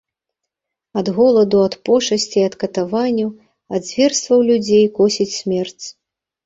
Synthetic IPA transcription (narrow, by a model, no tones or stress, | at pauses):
ɐd̪ɣɔlˠɐd̪uɐt̪pɔʂɐsʲt͡sʲiɐt̪kɐt̪avanʲːu | ɐd̪zʲvʲɛrst̪vɐwlʲud͡zʲejkɔsʲit͡sʲsʲmʲɛrt͡sʲ